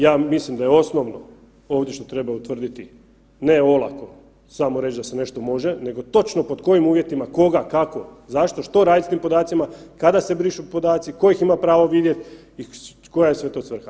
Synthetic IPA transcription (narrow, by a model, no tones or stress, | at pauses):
jaːmislimd̪ajeo̞snoʋno̞ | oːʋd̪ʲje̞ʃt̪o̞t̪ɾe̞baut̪ʋr̩d̪it̪i | ne̞o̞lˠa̰ko̞ | samoɾe̞t͡ʃd̪asene̞ʃt̪o̞mo̞ʒene̞ɡo̞t̪o̞t͡ʃnopod̪ko̞jimuːʋje̞t̪imako̞ɡakako̞zaʃt̪o̞ʃt̪o̞ɾaːd̪ist̪iːmpo̞d̪aːt̪simakad̪ase̞bɾiʃupo̞d̪aːt̪siko̞jiximapɾaːʋoʋid̪je̞t̪ | i | kojajesʋe̞t̪osʋr̩xa